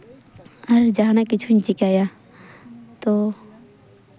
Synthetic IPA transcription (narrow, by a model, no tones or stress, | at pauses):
ɐɾd͡ʒaɦnakɪt͡ʃʰuɲt͡ʃɪkaːja | t̪o